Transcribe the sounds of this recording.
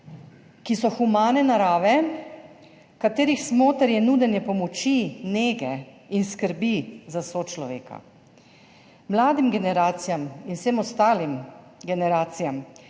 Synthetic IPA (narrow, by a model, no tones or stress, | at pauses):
kisɔxumaːnɛnaɾaːʋɛ | kat̪eːɾixsmoːt̪əɾjɛnuːd̪ɛnjɛpɔmɔt͡ʃineːɡɛ | inskəɾbizasoːt͡ʃlɔʋḛːka̰ | mlaːd̪imɡɛnɛɾaːt̪sijaminfsemɔst̪aːlimɡɛnɛɾaːt̪sijam